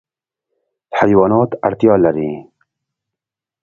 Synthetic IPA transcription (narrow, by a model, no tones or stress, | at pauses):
hajwɑːnɑːt̪aɾt̪ijɑːlaɾiː